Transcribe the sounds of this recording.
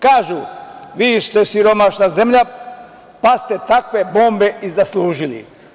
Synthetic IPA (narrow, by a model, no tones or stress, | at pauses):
kaːʒuʋiːst̪esiɾo̞maʃnaze̞mʎa | past̪e̞t̪akʋe̞bo̞ːmbe̞ʔizaslˠuːʒilḭ